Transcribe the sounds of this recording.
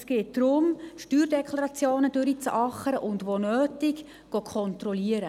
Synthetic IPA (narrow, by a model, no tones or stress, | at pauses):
sɡ̥eːt̚d̥ɾʊmʃtyːɾdɛkʰlɑɾɑt͡sjoːnəd̥øɾit͡sɑχəɾəʔʊndʋonøːtɪɡ | ɡ̥okʰɔnt̪ɾɔliəɾə